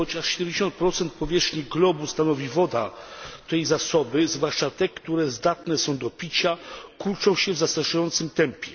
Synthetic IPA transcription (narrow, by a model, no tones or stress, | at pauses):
ɔt͡ɕaʂɕɛd̪ɛmd͡ʑeɕɔ̃nt̪̚pɾɔt̪sɛnt̪̚pɔvʲjɛʂxɲiɡlɔbust̪anɔvʲivɔd̪a̰t̪ɛjzasɔbɘzvwaʂt͡ʂat̪ɛkt̪uɾɛzd̪at̪nɛsɔ̃w̃d̪ɔpʲit͡ɕakuɾt͡ʂɔ̃w̃ɕɛvzast̪ɾaʂajɔnt̪sɘmt̪ɛmpʲjɛ